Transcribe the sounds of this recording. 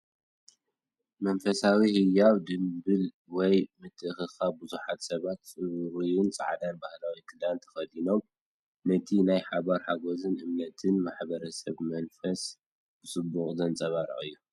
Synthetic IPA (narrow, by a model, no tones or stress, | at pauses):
mɐnfɐsawihɨjawd̪ɨmbɨl | wɔjmɨt̪ʰːɨʔɨxɨxabɨzuħat̪sɐβat̪t͡sʼɨɾujunt͡sʼa̰ʕd̪anbahlawikʰɨd̪ant̪ʰɐ̥xɐd̪ino̞m | nɐt̪ʰinajħaβaɾħaɡozɨnʔɨmnɐt̪ʰɨnmaħbɐɾɐsɐβmɐnfɐs | b̥ɨsʼɨbːuχʼzɐnt͡sʼɐβaɾɨ̰ʔʼɨjːu